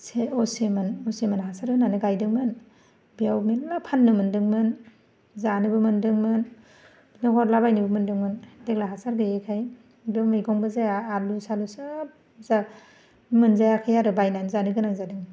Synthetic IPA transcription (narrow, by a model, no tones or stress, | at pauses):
seɔsemɯnɔsemɯnɦasaɾɡɯnanɯɡajdɯŋmɯn | bijawmiapʰanːɯmɯndɯŋmɯn | zanɯbɯmɯndɯŋmɯn | nɔɡʰɔɾlabajnɯbɯmɯndɯŋmɯndeɡlaɦasaɾɡɯekʰaj | bɯmɯjɡɔŋbɯzaaːlusalusap̚ | za | mɯnzajakʰajaɾɯbajnanzanɯɡɯnaŋzadɯŋ